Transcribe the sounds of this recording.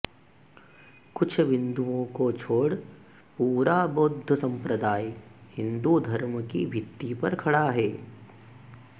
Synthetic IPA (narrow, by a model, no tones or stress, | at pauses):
kʊt͡ʃʰʋɪ̃nd̪uõkot͡ʃʰoːɽ | puːɾabod̪ʱːəsɐ̃mpɾəd̪aːjhɪ̃nd̪ud̪ʱɐɾməkibʱɪt̪ːipɐɾkʰɐɽaɦɛː